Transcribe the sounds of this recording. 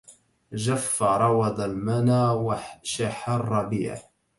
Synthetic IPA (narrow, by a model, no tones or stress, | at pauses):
d͡ʒafːaɾˤɑwɑd̪ˤalmanaːwaʃaħarˤːɑbḭːʕ̰